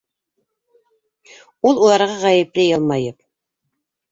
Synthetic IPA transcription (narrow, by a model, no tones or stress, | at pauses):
ulˠulˠɑɾʁɑʁɑjɘ̆plɘjɑlˠmɑjɤp̚